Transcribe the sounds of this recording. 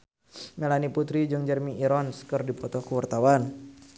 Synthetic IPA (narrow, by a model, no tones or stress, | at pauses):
mɛlaniput̪ɾid͡ʒɨŋd͡ʒɛrmiiɾɔnskərdipɔt̪ɔkəwart̪awan